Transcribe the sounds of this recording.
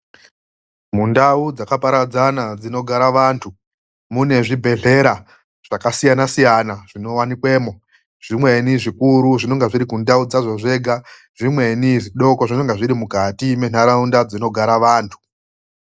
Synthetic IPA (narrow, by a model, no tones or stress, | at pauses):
mundaud͡zakapaɾad͡zanad͡zino̞ɡʱaɾaʋaːntʰu | mune̞ʐibʱe̞ɮe̞ɾa | ʐ̥akasijanasijanaʐ̥ino̞wanikwe̞ːmo̞ | ʐ̥imwe̞niʐikuɾuʐino̞ŋɡeʐiɾikundaud͡zazo̞ʐe̞ːɡʱa | ʐ̥imwe̞niʐiɗo̞koʐino̞ŋɡeʐiɾimukatime̞n̥aɾaundad͡zino̞ɡʱaɾaʋaːntʰu̥